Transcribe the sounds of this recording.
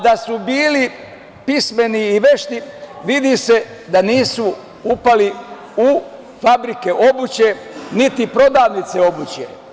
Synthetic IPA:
d̪asubiːli | pisme̞niːʋe̞ʃt̪iʋid̪ise̞ | d̪aniːsu | upali | u | fabɾike̞ʔo̞but͡ɕe̞nit̪ipɾo̞d̪aːʋnit̪se̞o̞but͡ɕje

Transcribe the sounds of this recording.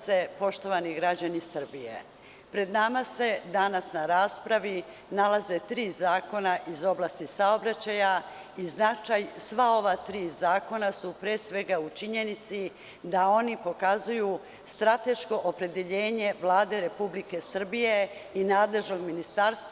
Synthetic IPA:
se̞po̞ʃt̪o̞ʋaniɡɾad͡ʑanisr̩bijḛ | pɾe̞d̪namase̞d̪anasnaɾaːspɾaʋi | nalaze̞t̪ɾiːzaːko̞naʔizo̞blast̪isaobɾat͡ɕaja | iznat͡ʃajsʋao̞ʋat̪ɾiːzaːko̞nasupɾeːsʋe̞ɡaut͡ʃiɲe̞nit̪si | d̪ao̞nipo̞kazuju | st̪ɾat̪e̞ʃko̞ʔopɾe̞d̪e̞ʎe̞ːɲe̞ʋlˠaːd̪e̞ɾe̞publike̞sr̩bije̞ | inaːd̪le̞ʒno̞ɡminist̪aɾst̪

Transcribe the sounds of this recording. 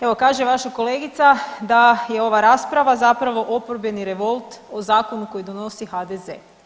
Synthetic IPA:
eʋo̞kaːʒeʋaʃako̞leːɡit̪sad̪ajeo̞ʋaɾaspɾaʋazapɾaʋo̞ʔo̞poɾbje̞niɾe̞ʋo̞lˠt̪o̞zaːko̞nuko̞jid̪o̞no̞sixad̪ezḛ

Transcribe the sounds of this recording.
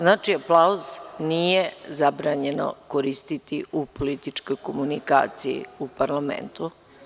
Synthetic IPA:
znaːt͡ʃiaplˠauznijezabɾaːɲeno̰koɾist̪it̪iʔupolit̪it͡ʃkojkomunika̰ːt̪sijḭupaɾlˠamḛnt̪u

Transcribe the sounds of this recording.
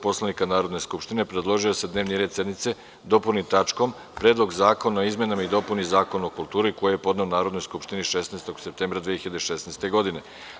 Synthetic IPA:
po̞slˠanikanaːɾo̞d̪ne̞skupʃt̪ine̞pɾe̞d̪lˠo̞ʒijo̞se̞d̪ne̞ːʋniɾed̪se̞d̪nit̪se̞ | d̪o̞punit̪at͡ʃkom | pɾeːd̪lˠo̞ɡzaːko̞naizme̞namaid̪o̞punizaːko̞nuokulˠt̪uːɾiko̞jiejepo̞d̪ne̞onaːɾod̪no̞jskupʃt̪iniʃesneest̪o̞ɡse̞p̚t̪eːmbɾad̪ʋexiʎad̪eʃe̞sneːst̪e̞ɡo̞d̪ine̞

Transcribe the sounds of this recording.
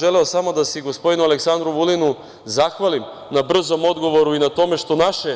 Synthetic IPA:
ʒeleosamo̞d̪asiɡo̞spo̞d̪inuale̞ksand̪ɾuʋulinu | zaxʋalim | nabr̩zo̞mo̞d̪ɡo̞ʋo̞ɾuinat̪o̞me̞ʃt̪o̞naʃe

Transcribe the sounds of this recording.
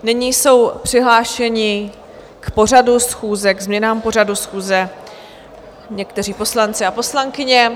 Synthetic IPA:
nɪɲiːso̞wpr̝̥ɪɦlaːʃɛɲɪ | kpo̞r̝adusxuːzɛɡzmɲɛnaːmpo̞r̝adusxuːzɛ | ɲɛkt̪ɛriːpo̞slant͡sɪapo̞slaŋkɪɲɛ

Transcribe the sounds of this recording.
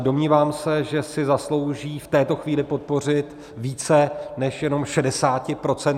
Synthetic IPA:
do̞mɲiːvaːmsɛʒɛsɪzaslo̞wʒiːft̪ɛːt̪o̞xviːlɪpo̞t̪̚po̞r̝ɪt̪ | viːt͡sɛnɛʃjɛno̞mʃɛdɛsaːcɪpɾo̞t͡sɛn

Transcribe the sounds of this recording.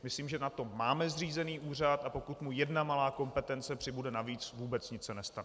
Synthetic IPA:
mɪsliːmʒɛnat̪o̞maːmɛzr̝iːzɛniːʔuːr̝at̪apo̞kut̪mujɛdnamalaːko̞mpɛt̪ɛnt͡sɛpr̝̥ɪbudɛnaviːt͡svuːbɛt͡sɲɪt͡ssɛnɛst̪anɛ

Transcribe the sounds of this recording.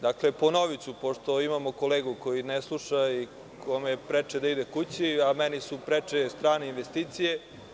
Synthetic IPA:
d̪akle̞po̞noʋit̪supo̞ʃt̪o̞imamo̞ko̞leːɡuko̞jineslˠuʃai | kʰo̞mepɾet͡ʂed̪aid̪ekut͡ɕiamɛnisupɾet͡ʃest̪ɾaːneinʋest̪iːt̪sije̞

